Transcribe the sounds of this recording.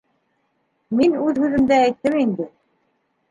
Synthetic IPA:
minʉðhʉðɘ̆md̪ææjt̪ːɘmind̪ɘ

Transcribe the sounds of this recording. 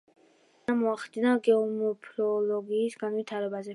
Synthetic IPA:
amɔaχd̪inaɡɛɔmɛpʰɾɔlɔɡiːsɡanvit̪ʰaɾɛbazɛ

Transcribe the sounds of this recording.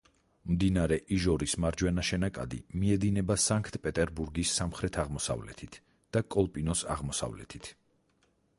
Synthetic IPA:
md̪inaɾɛʔiʒɔɾismaɾd͡ʒwɛnaʃɛnakʼa̰d̪ḭmiɛd̪inɛbasaŋkʰt̪ʼpʼɛt̪ʼɛɾbuɾɡisːamχɾɛt̪ʰaʁmɔsa̰vlɛ̰t̪ʰit̪ʰ | d̪̥akʼɔlˠpʼinɔsa̰ʁmɔsa̰vlɛ̰t̪ʰi̥t̪ʰ

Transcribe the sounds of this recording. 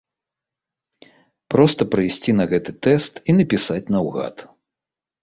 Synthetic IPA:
pɾɔst̪ɐpɾɨjsʲt͡sʲinɐɣɛt̪ɨt̪ɛst̪inɐpʲisat͡sʲnɐwɣa̰t̪

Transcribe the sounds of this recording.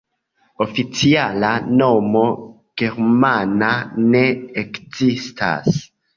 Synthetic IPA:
o̞fit͡sialanomo̞ | ɡ̥e̞ɾmanane̞ekzistʰa̰s

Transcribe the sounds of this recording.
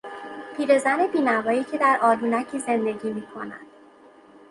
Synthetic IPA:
pʰiːɾe̞zæne̞biːnævɒːiːcʰe̞d̪æɾʔɒːlunæcʰiːze̞nd̪e̞ɟiːmiːkʰo̞̰næ̰nd̪̥

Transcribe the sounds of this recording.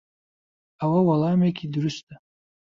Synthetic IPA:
awawalaːmekʲʰidɾɨʃtʰʼa

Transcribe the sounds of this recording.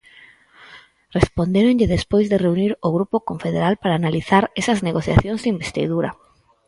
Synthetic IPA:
respond̪eɾonʎɪðespojzðɪreuniɾoɣ̞ɾupokoɱfeðeɾalpaɾaːnaliθaɾesɐzneɣoθja̰θjõŋzðimbest̪ḭðuɾɐ

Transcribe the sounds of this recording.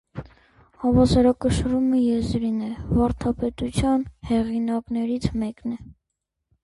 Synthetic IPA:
hɑvɑsɔɾɑkəʃruməjɛzɾinɛvɑɾt̪ʰɑpɛt̪ut͡sʰjɑnhɛʁinɑknɛɾit͡sʰmɛknɛ

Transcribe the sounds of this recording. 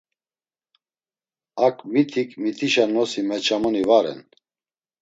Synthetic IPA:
akʼmit̪ʰikʼmit̪ʰiʃanɔsimɛt͡ʃʰamɔnivaɾɛ̰n

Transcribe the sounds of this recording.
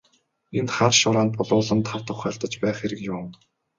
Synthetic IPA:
enχarʃʊɾaːnt̪̚pʊɮʊːɮə̆nt̪ʰaw̥t̪ʰʊχœːɮt̪ə̆t͡ɕpæːχeɾɘ̆kjʊŋ

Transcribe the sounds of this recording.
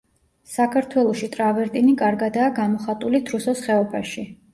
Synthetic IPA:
sakʰaɾt̪ʰwɛlˠɔʃit̪ʼɾavɛɾt̪ʼinikʼaɾɡad̪aːɡamɔχat̪ʼulit̪ʰɾusɔsχɛɔpʰaʃi

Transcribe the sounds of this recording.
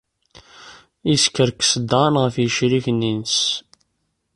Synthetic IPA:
iskːəɾksəd̪ɑnʁəfjəʃɾiçənːins

